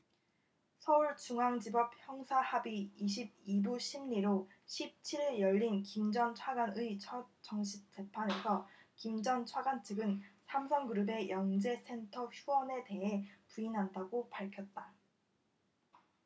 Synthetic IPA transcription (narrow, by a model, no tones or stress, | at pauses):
sʰʌuɭt͡ɕuŋɦaŋd͡ʑibʌp̚çjʌŋsʰahabiːɕʰib̚iduɕʰimɲiɾo | ɕʰip̚t͡ɕʰiɾɯɭjʌʎːinkimd͡ʑʌnt͡ɕʰwaɡanɯit͡ɕʰʌt̚t͡ɕʌŋɕ̬ʰip̚t͡ɕ͈e̞pʰane̞sʰʌkimd͡ʑʌnt͡ɕʰwaɡant͡ɕʰɯɡɯnsʰamsʰʌŋɡɯɾube̞jʌŋd͡ʑe̞sʰe̞ntʰʌçuʌne̞te̞ɦe̞puinɦandaɡopaɭkʰjʌt̚t͈a